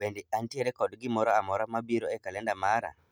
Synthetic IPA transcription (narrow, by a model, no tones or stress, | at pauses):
endiantieɾɛkɔdɡimɔɾɔamɔɾamabiɾoɛkalɛndamaɾa̰